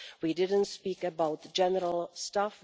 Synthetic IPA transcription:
widɪd̃ⁿn̩tspikɨbaʊt̚d͡ʒ̥ɛnəɾəl̩ˠstaf

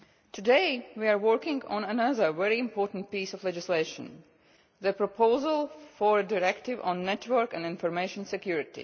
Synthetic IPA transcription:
tʰɨdeɪwiaɹwɜɹkɪ̃ŋɡɔ̰̃nənʌðə˞ʋɛɹiɪ̃mpʰɔːɹtn̩t̚piːsɔflɛd͡ʒɪsleɪʃə̰̃n | ðəpɹɔpʰoʊzəlˠfɔɹədɪɹɛktɪvɔ̃nːɛtʰwə˞kæ̃nɪ̃nfɔɹmeɪʃə̃nsɛkjuɹɪtḭ

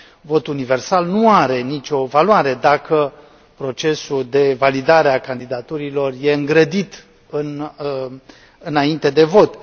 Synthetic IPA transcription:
vo̞t̪unive̞rsalnuaɾe̞nit͡ʃʲo̞valwaɾe̞d̪akə | pɾo̞t͡ʃe̞suld̪e̞valid̪aɾe̞akand̪id̪at̪uɾilo̞rje̞ɨŋɡɾəd̪it̪ | ɨn | ɨnaint̪e̞d̪e̞vo̞t̪

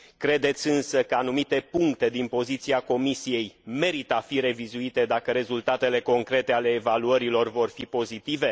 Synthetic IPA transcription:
kɾe̞d̪e̞t̪sʲɨnsəkəanumit̪e̞puŋkt̪e̞d̪inpo̞zit̪siako̞misije̞jme̞ɾit̪əafiɾe̞vizuit̪e̞d̪akəɾe̞zult̪at̪e̞le̞ko̞ŋkɾe̞t̪e̞ale̞ːvaluəɾilo̞rvo̞rfipo̞zit̪ive̞

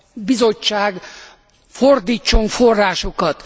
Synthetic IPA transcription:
bizo̞t͡ʃːaːɡ | ford̪iːt͡ʃːo̞ɱforːaːʃo̞kɒt̪

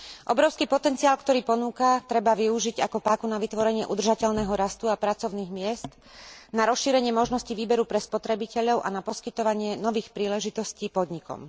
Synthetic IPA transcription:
ʔɔbɾɔʊskiːpɔt̪ɛnt͡siaːlkt̪ɔɾiːpɔnuːkat̪ɾɛbaʋiuʒiɟakɔpaːkunaʋit̪ʋɔɾɛɲɪɛʔud̪rʒacɛʎnɛːɦɔɾast̪uapɾat͡sɔʊniːɣmɪɛst̪ | naɾɔsʃiːɾɛɲɪɛmɔʒnɔsciʋiːbɛɾupɾɛspɔt̪ɾɛbicɛʎɔʊʔanapɔskit̪ɔʋaɲɪɛnɔʋiːxpɾiːlɛʒit̪ɔsciːpɔd̪ɲikɔ̰m

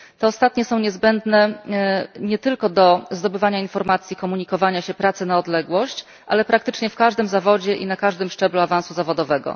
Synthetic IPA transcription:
t̪ɔːst̪at̪ɲɛsɔ̃w̃ɲɛzbɛnd̪nɛ | ɲɛt̪ɘlkɔd̪ɔzd̪ɔbɘvaɲainfɔɾmat̪sʲjikɔmuɲikɔvaɲaɕɛpɾat̪sɘnaɔd̪lɛɡwɔɕt͡ɕ | ʔa̰lɛpɾak̚t̪ɘt͡ʂɲɛfkaʐd̪ɘmzavɔd͡ʑɛʔinakaʐd̪ɘmʂt͡ʂɛbluavañsuzavɔd̪ɔvɛɡɔ̰

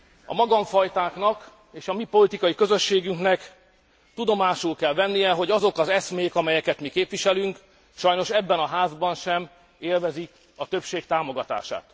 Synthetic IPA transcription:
ɒ̰mɒɡɒɱfɒjt̪aːkn̪ɒk | eːʃɒmipo̞lit̪ikɒjikø̞zø̞ʃːeːɡyŋknɛk | t̪ud̪o̞maːʃulkɛlvɛnːijɛɦo̞ɟɒzo̞kɒzɛsmeːkɒmɛjɛkɛt̪mikeːpʋiʃɛlyŋk | ʃɒjno̞ʃɛbːɛnɒɦaːzbɒnʃɛm | eːlvɛzi | ɒt̪øpʃeːkt̪aːmo̞ɡɒt̪a̰ːʃa̰ːt̪

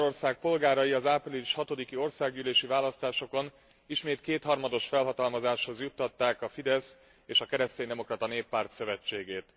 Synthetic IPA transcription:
ɾo̞rsaːk̚po̞lɡaːɾɒjiɒzapriliʃhɒt̪o̞d̪ikio̞rsaːɡyːleːʃivaːlɒst̪aːʃo̞ko̞n | iʃmeːt̪keːt̪hɒrmɒd̪o̞ʃfɛlɦɒt̪ɒlmɒzaːʃho̞zjut̪ːɒt̪ːaːkɒfid̪ɛs | eːʃɒkɛɾɛst̪eːnd̪ɛmo̞krɒt̪ɒneːpːaːrt̪sø̞vɛt͡ʃːeːɡeːt̪

